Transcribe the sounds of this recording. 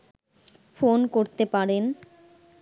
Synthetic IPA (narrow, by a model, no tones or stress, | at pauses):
fonkoɾt̪epaɾen